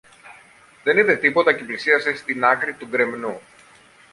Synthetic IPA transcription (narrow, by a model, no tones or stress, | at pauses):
ðe̞niðe̞t̪ipo̞t̪ɐciplisiɐsest̪inɐkɾit̪uɡɾe̞mnu